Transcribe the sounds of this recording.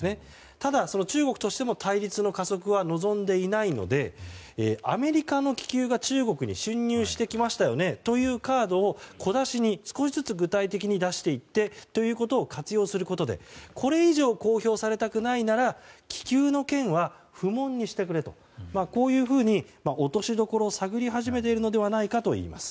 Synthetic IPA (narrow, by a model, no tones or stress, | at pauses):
ne | t̪ad̪aso̞no̞t͡ɕɨːɡo̞kɯ̟t̪o̞ɕi̥t̪e̞mo̞t̪ʰaiɾʲit͡sɨno̞kaso̞kɯ̟β̞ano̞zõ̞nd̪e̞inaino̞̰d̪e̞ː | a̰me̞ɾʲikano̞kʲi̥kʲɨːɡat͡ɕɨːɡo̞kɯ̟ɲ̟ḭɕɨ̃ɲ̟ːʲɨːɕi̥t̪e̞kʲimaɕi̥t̪ajo̞ne̞t̪o̞jɯ̟ːkaːd̪o̞ːkʰo̞d̪aɕiɲ̟isɨ̥ko̞ɕizɨt͡sɨɡɯ̟t̪ait̪e̞kʲiɲ̟id̪aɕi̥t̪e̞it̪ːe̞t̪o̞jɯ̟ːko̞t̪o̞ːkat͡sɨjo̞ːsɨɾɯ̟ko̞t̪o̞d̪e̞̰kʰo̞ɾe̞iʑo̞ːko̞ːço̞ːsaɾe̞t̪akɯ̟nainaɾakʲi̥kʲɨːno̞kẽ̞ɰ̃βa | ɸɯ̟mõ̞ɲ̟ːiɕi̥t̪e̞kɯ̟ɾe̞t̪o̞̰ | mako̞ːjɯ̟ːɸɯ̟ːɲ̟imaʔo̞t̪o̞ɕid̪o̞ko̞ɾo̞ːsaɡɯ̟ɾʲiɦaʑime̞t̪̬e̞iɾɯ̟no̞d̪e̞βanaikat̪o̞ḭːma̰sɨ̥